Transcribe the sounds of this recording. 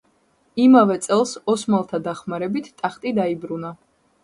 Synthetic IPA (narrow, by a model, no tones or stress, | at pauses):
imavɛt̪sʼɛlˠsɔsmalˠt̪ʰad̪aχmaɾɛbit̪ʰt̪ʼːaχt̪ʼid̪aibɾuna